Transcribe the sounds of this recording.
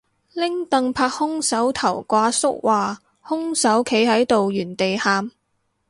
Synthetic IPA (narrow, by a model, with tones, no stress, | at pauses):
lɪ˥ŋt̪ɐ˨ŋpʰaː˧k̚hʊ˥ŋsɐ˨˥wt̪ʰɐ˨˩wkʷaː˧sʊ˥k̚waː˨ | hʊ˥ŋsɐ˨˥wkʰe˨˥jɦɐ˨˥jt̪o˨wjyː˨˩nt̪e˨jhaː˧m